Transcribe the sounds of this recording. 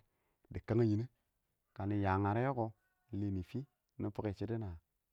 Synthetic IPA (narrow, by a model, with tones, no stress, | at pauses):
di˨kə˦ŋə˦ji˨˦ne˦ | ka˨ni˨ja˨ŋa˨ɾe˦jo˦ko˦˨ | le˨ni˨fi˦ | ni˦pu˦ke˦˨t͡ʃi˦də˦na˨